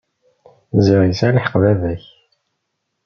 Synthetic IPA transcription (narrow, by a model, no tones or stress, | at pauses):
ziʁisæləħə̥qvævæç